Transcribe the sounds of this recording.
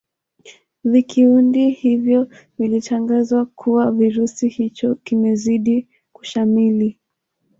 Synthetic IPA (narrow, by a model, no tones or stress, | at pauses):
vikiundihivjɔ | vilitʰaŋɡazwakʰuwaviɾusihit͡ʃɔkimɛziɗi | ku̥ʃamili